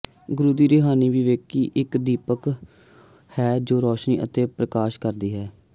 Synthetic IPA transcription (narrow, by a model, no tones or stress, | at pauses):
ɡʊɾuːd̪iːɾeːɦaːniːʋiːʋeːkːiːʔɪkd̪iːpək | hɛːd͡ʒoːɾɔːʃniːʔə̰t̪eːpɾəkaːʃkəɾd̪iːɦɛː